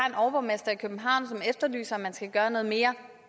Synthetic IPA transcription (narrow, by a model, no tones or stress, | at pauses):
enɒʊb̥ɒmesd̥ɐikʰøb̥n̩ɦɑ̈ʊ̰nsɒ̽mefd̥ɐly̰ːsɐɒmːænsɡ̥æɡ̥ɶːɐnɔ̽ːð̞̩ˠme̝ːɐ